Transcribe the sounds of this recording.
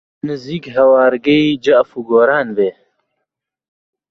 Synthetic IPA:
nɨziːkɦɐwaːɾɡɐiːd͡ʒɐʔfuːɡoːɾaːnbeː

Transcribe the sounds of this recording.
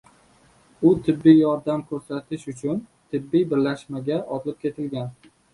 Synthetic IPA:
ʊt̪ʰɪbːijjɒɾd̪amkʰɵɾsat̪ʰɪʃʊt͡ʃʰʊn | t̪ʰɪbːijbɪɾlaʃmaɡʲaʔɒt̪lɪp̚kʲʰe̞t̪ʰɪlɡʲan

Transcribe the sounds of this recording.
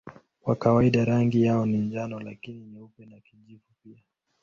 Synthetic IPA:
wakawaiɗaɾaŋɡijaɔniɲd͡ʒanɔlakininiupɛnakiʄivupia

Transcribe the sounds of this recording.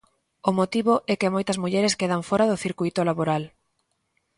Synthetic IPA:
ʊmot̪iβʊʔɛkɪmojt̪ɐzmuʎɛɾeskeðaɱfɔɾaðʊθiɾkujt̪olaβoɾal

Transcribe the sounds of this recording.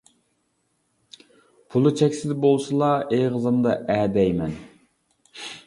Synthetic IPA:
pʰulˠɨt͡ʃʰɛkʲsɪd̪bolˠsɨlˠɑeʁəzɨmd̪ɑʔæːd̪ɛjmɛn

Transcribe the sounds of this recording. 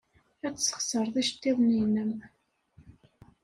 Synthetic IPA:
æt͡sːsə̥χsəɾˤðˤiʃt̪ːiðˤninəm

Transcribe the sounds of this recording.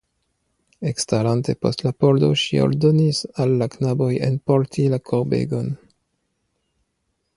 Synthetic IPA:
ekstalante̞po̞̰stlapo̞ldo̞̰ʃḭo̰ldonisalːaknabo̞jḛnpo̞ɾtʰilakʰoɾbḛɡo̞n

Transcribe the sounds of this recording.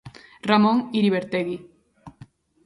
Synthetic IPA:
ramõŋiɾiβeɾt̪eɣi

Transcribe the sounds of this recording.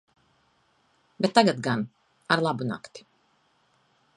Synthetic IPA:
beɛt̪ːaɡat̪ɡan | aɾlˠabuna̰kt̪i̥

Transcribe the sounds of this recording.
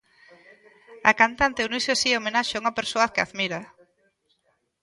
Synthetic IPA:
akant̪ant̪euniseasiomẽnaʃauŋapeɾsoakea̰ðmiɾa

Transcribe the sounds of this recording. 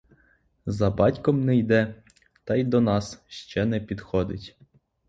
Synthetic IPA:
zɐbɑtʲkɔmnɛjd̪ɛ | t̪ɑjd̪ɔnɑsʃt͡ʃɛnɛpʲid̪xɔd̪ɪtʲ

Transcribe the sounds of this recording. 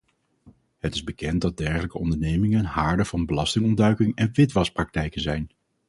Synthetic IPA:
ɦətɪ̥zbəkɛnt̚dɑd̚dɛɹχələkəɔndəɹnejmɪŋənɦaːɹdəv̥ɑnbəlɑstɪŋɔndœɥkɪŋɛnʋɪtʋɑsprɑk̚tɛjkənzɛjn

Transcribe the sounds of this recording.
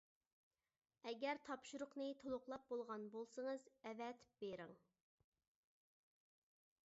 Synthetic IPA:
ɛɡʲɛɾt̪ʰɑpʃuɾʊqnɨt̪ʰolˠʊqlˠɑp̚bolˠʁɑnbolˠsəŋəzɛvɛt̪ʰɪ̥p̚b̥eɾɪŋ

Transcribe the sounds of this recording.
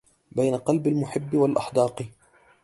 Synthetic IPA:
bajnaqɑlbalmʊħɪbːɪwalʔɑħd̪ɑːq

